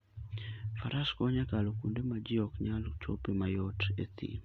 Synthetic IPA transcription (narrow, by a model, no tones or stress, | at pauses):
faɾʔaskɔɲakalokundemad͡ʒiɔkɲalt͡ʃo̰pemajɔtḛt̪ʰḭ